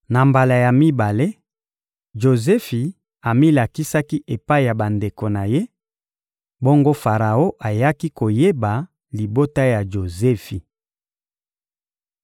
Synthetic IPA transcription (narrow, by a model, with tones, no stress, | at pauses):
na˨mba˨la˨ja˨mi˦ba˨le˦ | ʒo˨zɛ˦fi˨ | a˨mi˦la˨ki˦sa˦ki˦ʔe˨pa˦i˨ja˨ba˨nde˨ko˨na˨je˦ | bo˦ŋɡo˦fa˨ʁa˨o˦ʔa˨ja˦ki˦ko˨je˦ba˨ | li˨bo˦ta˦ja˨ʒo˨zɛ˦fi˨